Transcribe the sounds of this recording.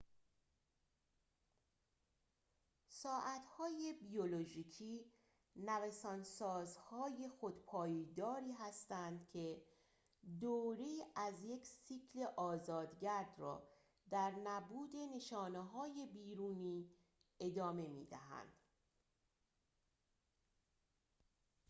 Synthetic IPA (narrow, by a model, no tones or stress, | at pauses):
sɒːʔæt̪ʰhɒːje̞bioloʒiːcʰiː | nævæsɒːnsɒːzhɒːjexo̞d̪pʰɒːjid̪ɒːɾiːɦæst̪ænd̪̥cʰe̞ | d̪oːɾeæzje̞cʰsiːkʰle̞ʔɒːzɒːd̪ɟæɾd̪rɒ̰ː | d̪æɾnæbuːd̪e̞ne̞ʃɒːneɦɒːje̞biːɾuːniː | e̞d̪ɒːme̞mḭːd̪æɦæ̰nd̪̥